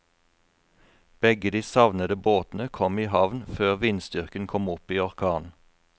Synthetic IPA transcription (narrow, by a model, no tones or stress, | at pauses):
b̥ɛɡəd̪iːsɑʋnəd̪əboːt̪n̩əkʰɔmiːhɑʋnføːʁʋiːnsd̪ʏʁkənkʰɔmʊpiːɔʁkʰɑːnn̩